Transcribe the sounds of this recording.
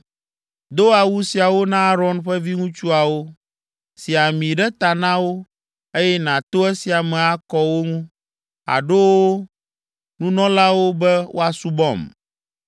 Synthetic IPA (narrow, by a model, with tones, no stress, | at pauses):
d̪o˦a˨wu˦si˨a˨wo˦nã˦a˦ɾɔ˦nɸɛ˦vi˦ŋũ˦t͡ʃu˦a˨wo˦ | si˨a˨mĩ˨ɖɛ˦t̪a˨nã˦wo˦ | e˦jɛ˦nã˨t̪o˦ɛ˦si˨a˨mɛ̃˨a˦kɔ˦wo˦ŋũ˦ | a̰˨ɖo˦wo˦ | nũ˦nɔ̃˦la˦wo˦bɛ˦wʔo̰˦a˨su˦bɔ̰˨m